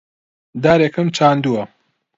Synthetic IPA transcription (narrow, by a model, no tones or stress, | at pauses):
d̪aːɾekɨmt͡ʃʰaːnd̪uɐ